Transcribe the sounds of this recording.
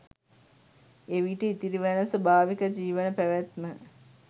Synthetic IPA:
eʋiʈəit̪iɾiʋænəsəbaːʋikəd͡ʒiːʋənəpæʋæt̪mə

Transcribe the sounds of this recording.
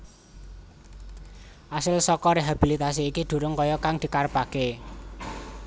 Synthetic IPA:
ʔasəlsɔkɔɾeɦab̥ilit̪as̬iːkid̪̥ṳɾʊŋkɔjɔkaŋd̪̥i̤karpake

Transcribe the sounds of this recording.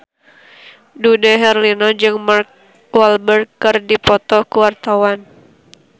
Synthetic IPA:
dudɛɦɛrlinɔd͡ʒɨŋmark̚ | walbər̚kɨrdipɔt̪ɔkuwart̪awan

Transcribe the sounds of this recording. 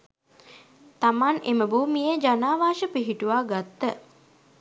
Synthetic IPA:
t̪amaneməbuːmijəd͡ʒanaːʋaːʃəpiɦiʈuʋaːɡat̪ːə

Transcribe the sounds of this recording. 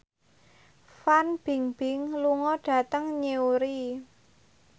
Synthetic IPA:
fanb̥i̤ŋb̥ɪ̤ŋluŋɔɖ̥ä̤t̪əŋɲeuɾi

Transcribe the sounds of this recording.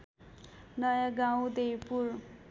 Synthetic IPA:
nʌjaɡaw̃d̪ejpuɾ

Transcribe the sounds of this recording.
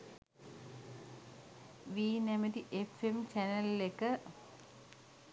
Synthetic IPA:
ʋiːnemɐtiʔefemt͡ɕɐnɐllekːɨ

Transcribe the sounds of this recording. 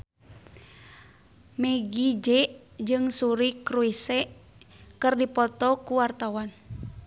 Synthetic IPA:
mɛɡid͡ʒɛʔ | d͡ʒɨŋsuɾikɾuisɛʔ | kɨrdipɔt̪ɔkuwart̪awan

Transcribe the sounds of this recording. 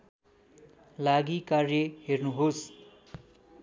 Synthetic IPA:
laɡikarjʌɦernuɦos

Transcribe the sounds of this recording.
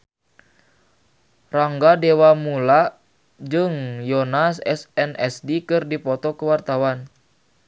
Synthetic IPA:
raŋɡadɛwamula | d͡ʒɨŋjɔnasɛsɛnɛsdikɨrdipɔt̪ɔkəwart̪awan

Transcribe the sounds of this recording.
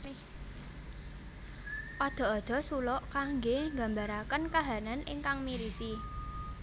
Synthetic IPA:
ʔɔd̪̥ɔ̤ɔd̪̥ɔ̤sulɔʔkaŋɡeŋɡa̤mbaɾakənkaɦananʔɪ̰ŋkaŋmiɾisi

